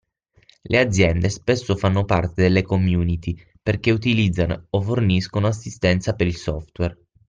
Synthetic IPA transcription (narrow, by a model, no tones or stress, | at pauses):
lʔead̪zːjɛnd̪espesːofanːopart̪ed̪elːekomjuːnit̪i | perk̟eut̪ilid̪zːanooforniskonoasːist̪ɛnt̪sapeɾilsɔft̪wɛr